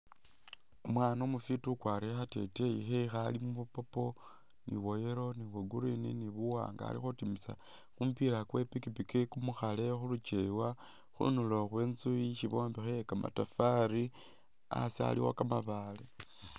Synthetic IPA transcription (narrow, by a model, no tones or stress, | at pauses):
umwaːnomufitukwaɾixate̞̰teixexalimuβupopo̞ | nʔḭβo̞jeɾo̞niweɡuɾinḭniβuwa̰ːŋɡa̰lḭxutimisa̰ | xumpiɾakwe̞pikipikekumuxale̞xulut͡ʃewa | xṵnuloxwe̞ːnt͡suiʃiβo̞ːmbixejekama̰tafaɾi | a̰sia̰liwa̰kamaβale